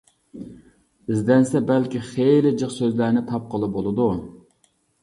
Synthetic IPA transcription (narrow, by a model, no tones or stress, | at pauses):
ɪzd̪ɛnsɛbælkʲiχejlɪd͡ʒəχsøzlæɾnɪt̪ʰɑp̚qəlˠɨp̚bolˠɨd̪u